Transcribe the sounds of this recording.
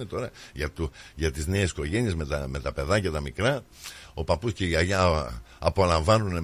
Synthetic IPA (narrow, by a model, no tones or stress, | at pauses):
net̪o̞ɾɐʝɐt̪uʝɐt̪izne̞esko̞ʝe̞niezmet̪ɐme̞t̪ɐpe̞ðɐcɐt̪ɐmikɾɐ | o̞pɐpusce̞iɐʎɐ | ɐpo̞lɐ̃ɱvɐnune